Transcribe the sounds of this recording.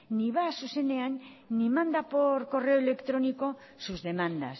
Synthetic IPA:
niβaːsuseneanː | imãnd̪apoɾko̞reoelekt̪ɾoniko | suzðe̞mãnd̪a̰s

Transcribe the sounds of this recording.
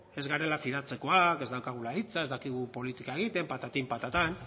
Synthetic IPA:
e̞zɣaɾe̞lafiðat͡se̞ko̞ake̞zd̪awkaɣ̞ulait͡saezd̪akiɣ̞upo̞lit̪ikaeɣ̞it̪e̞mpat̪at̪impat̪at̪an

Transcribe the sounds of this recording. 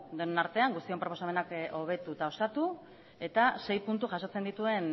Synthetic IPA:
d̪onenaɾt̪e̞aŋɡust̪io̞mpɾo̞posame̞nako̞β̞e̞t̪ut̪ao̞sat̪u | e̞t̪ase̞jpunt̪uʝaso̞t͡se̞nd̪it̪ue̞n

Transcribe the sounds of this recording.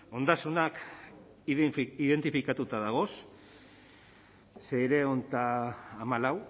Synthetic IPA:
o̞nd̪asunak | iðe̞nt̪ifikat̪ut̪aðaɣ̞o̞s | se̞eɾe̞ont̪aːmalaw

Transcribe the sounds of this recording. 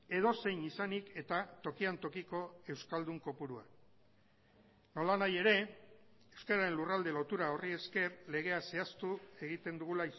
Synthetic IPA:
e̞ðo̞se̞jnisanike̞t̪at̪o̞kiant̪okiko̞e̞wskald̪uŋko̞puɾua̰ | no̞lanaje̞ɾe̞ | e̞wskaɾaɾe̞nlurald̪e̞lo̞t̪uɾao̞rie̞ske̞ɾle̞ɣ̞e̞ase̞ast̪ue̞ɣ̞it̪e̞nd̪uɣula

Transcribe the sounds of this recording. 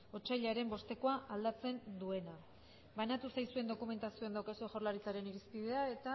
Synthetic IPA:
o̞t͡ʃaʎaɾe̞mbo̞st̪e̞ko̞aʔald̪at͡se̞nd̪ue̞na | βanat̪usajsue̞nd̪o̞kume̞nt̪asio̞end̪awkasueʝo̞rlaɾit͡saɾe̞niɾispiðe̞ae̞t̪a

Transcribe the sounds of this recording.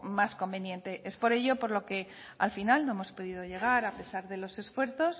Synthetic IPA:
masko̞mbe̞njẽ̞nt̪e̞ʔe̞spo̞ɾe̞ʝo̞po̞ɾlo̞ke̞ | a̰lfinalno̞e̞mo̞spo̞ðiðoʝe̞ɣ̞aɾape̞saɾðe̞lo̞se̞sfwe̞ɾθo̞s

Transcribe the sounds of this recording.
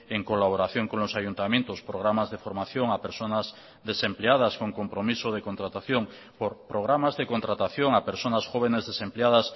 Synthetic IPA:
eŋkolaβ̞oɾaθjoŋkonlosajunt̪ament̪ospɾoɣ̞ɾamazðefoɾmaθjoŋapeɾsonaz | ðesempleað̞askoŋkompɾomisoð̞ekont̪ɾat̪aθjoŋ | poɾpɾoɣ̞ɾamazðekont̪ɾat̪aθjoŋapeɾsonasxoβ̞enezðesempleað̞as

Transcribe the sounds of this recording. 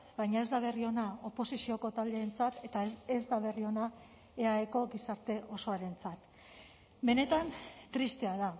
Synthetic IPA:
bajɲae̞zd̪aβ̞e̞rio̞nao̞po̞sisio̞ko̞t̪ald̪e̞ːnt͡sat̪e̞t̪aezd̪aβe̞rio̞na | e̞aeko̞ɡisaɾt̪e̞ʔo̞so̞aɾe̞nt͡sat̪ | be̞ne̞t̪ant̪ɾist̪e̞aða

